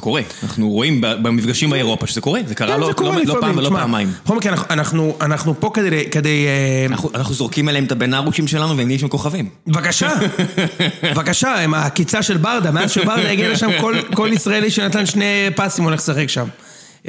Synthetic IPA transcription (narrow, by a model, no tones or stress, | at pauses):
eko̞ʁeana̰χnuʁo̞imbabemifɡaʃimbeeʁo̞paʃezeko̞ʁezekaʁalozkoleiloopaimlomaamajmχomkianaanaχnuanaχnupo̞ked̪elked̪ejena̰χuanaχnuzo̞ʁkimeleemet̪abenaʁuʃimʃelanuveemiiʃemko̞χavim | vakaʃa | vakaʃaemakit͡saʃe̞lbaʁd̪ameazʃebaʁd̪ajeɡialeʃamkolko̞lisʁaeliʃenat̪anʃne̞pasimo̞le̞χsaχekʃam